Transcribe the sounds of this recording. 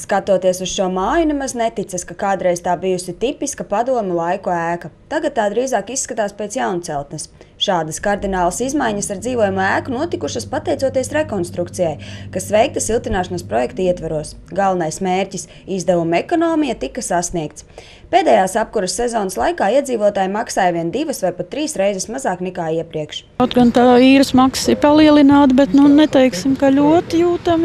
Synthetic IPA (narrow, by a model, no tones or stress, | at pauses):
skat̪uɔt̪iɛsusʃuɔmaːjunemaznɛt̪it̪sɐskakaːd̪ɾɛjz̥t̪aːbijusit̪ipiskɐpad̪uɔmʲɛlˠajkuæːkɐt̪aɡat̪̚t̪ːaːd̪ɾiːzaːkisːkat̪aːspɛːt̪sjawnut̪sɛlˠt̪nɛsʃaːd̪ɐskaɾd̪inaːlˠɐsizmajɲɐsaɾd̪ziːvoɔjumæːkunuɔt̪ikuʃɐspat̪ɛjt̪suɔt̪iɛsɾɛkɔnst̪ɾukt̪sijajkasvɛjk̚t̪ɐsilˠt̪inaːʃɐnaspɾɔjɛkt̪iɛt̪vaɾuɔs | ɡalˠvɐnajsmeːɾʲcʲis | izd̪ɛvumɛkɔnɔːmijat̪ikɐsasniɛk̚t̪s | peːd̪ɛːjaːsap̚kuɾɐsːɛzɔːnɐslˠajkaːiɛd̪ziːvuɔt̪aːjimaksaːjviɛnd̪ivɐsvajpat̪ːɾiːsɾɛjzɛsmazaːknɛkaːiɛpɾiɛkʃ | awt̪ɡant̪aːiːɾusmakssɪɾpalˠiɛlˠinaːt̪bɛt̪nunɛt̪ɛjksɪmkalʲuɔt̪juːt̪am